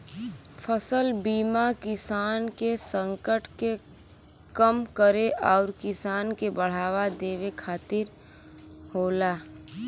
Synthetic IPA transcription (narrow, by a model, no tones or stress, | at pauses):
fʰəsəlbiːmakɪsaːnkesə̃ŋkəʈke | kəmkəɾeʔɔːɾkɪsaːnkebəɽ̤aːʋad̪eːwekʰaːt̪ɪɾ | ɦoːlaː